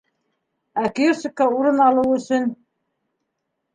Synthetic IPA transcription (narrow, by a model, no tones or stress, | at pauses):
ækiosɪkːɑuɾɤnɑlˠɤwɵ̆sɵn